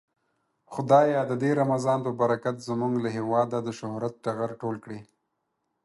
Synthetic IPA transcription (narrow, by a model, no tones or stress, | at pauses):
xʊd̪ɑjɑd̪əd̪eɾamazɑnpəbaɾakat̪zəmuŋɡlaɦewɑd̪ad̪əʃʊhɾat̪̚ʈaɣaɾʈolkɽe